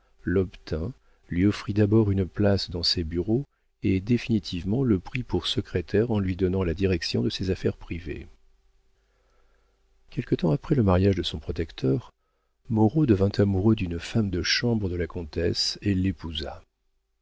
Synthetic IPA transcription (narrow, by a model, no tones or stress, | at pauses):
lɔpt̪ʰɛ̃ | lɥiɔfχid̪abɔʁynplasd̪ɑ̃sebyʁo | ed̪efinit̪ʰivmɑ̃ləpχipuʁsəkχet̪ʰɛʁɑ̃lɥid̪ɔnɑ̃lad̪iʁɛksjɔ̃d̪əsɛzafɛʁpχivḛ | kʲɛlkət̪ɑ̃apχɛləmaʁjaʒd̪əsɔ̃pχɔt̪ɛkt̪ʰœʁ | mɔʁod̪əvɛ̃t̪ʰamuʁød̪ynfamd̪əʃɑ̃bʁəd̪əlakɔ̃t̪ɛselːepuza̰